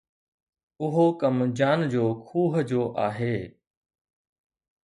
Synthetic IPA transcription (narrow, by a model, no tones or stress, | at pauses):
ʊɦokəmd͡ʑaːnd͡ʑoːkʰuːɦd͡ʑoːʔaːɦeː